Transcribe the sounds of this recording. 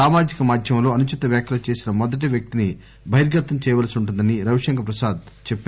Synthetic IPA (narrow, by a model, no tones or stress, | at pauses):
aːmaːd͡ʒikɐmaːd̪ʱjɐmlo̞ːɐnut͡ʃit̪ɐʋjaːkjɐlɐt͡ʃe̞ːsinɐmɔd̪ɐʈ̬ɐʋjɐk̚t̪ini | bʱɐjɾɡɐt̪ːɐmt͡ʃɛːjɐʋalɐsiuɳʈund̪ɐniɾɐʋiʂɐŋkɐpɾɐsaːd̪ | t͡ʃɛpː